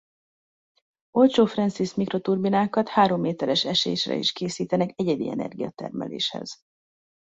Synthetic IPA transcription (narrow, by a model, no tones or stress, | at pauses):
o̞lt͡ʃoːfrɛnsismikro̞t̪urbinaːkɒt̪haːɾo̞mːeːt̪ɛɾɛʃɛʃḛːʃrɛ̰ḭʃkeːsiːt̪ɛnɛkɛɟɛd̪ḭɛ̰nɛ̰rɡijɒt̪ɛ̰rmɛ̰lḛːʃhɛ̰z̥